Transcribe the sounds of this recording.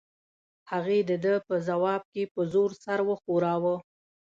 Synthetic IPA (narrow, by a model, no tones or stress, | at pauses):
haɣed̪əd̪əpəzawɑb̚kepəzoɾsaɾwəxoɾɑwə